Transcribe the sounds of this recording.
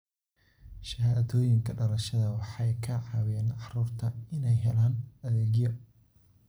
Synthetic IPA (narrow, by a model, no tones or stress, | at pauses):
ʃɐɦaːt̪ɔːjɪŋkʰɐɖɐlɐʃɐðɐwɑħɑjkʰɐʕɑwɛːnɑħruːrt̪ʰɐɪnɛjɦɛlaːnɐðɛːɣjɔ